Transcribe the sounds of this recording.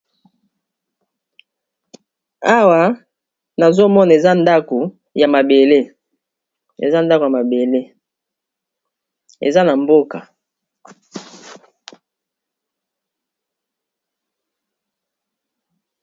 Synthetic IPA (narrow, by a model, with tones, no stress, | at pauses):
a˦wa˨ | na˨zo˦mɔ˦na˨e˨za˦nda˦ko˨ | ja˨ma˨be˨le˦ | ḛ˨za˦nda˦kja˨ma˨be˨le˦ | ḛ˨za˦na˨mbo˦ka˨